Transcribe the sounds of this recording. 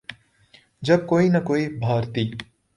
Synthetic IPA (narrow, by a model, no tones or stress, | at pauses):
d͡ʒɐb̚koːinɐkoːibʱaːɾt̪iː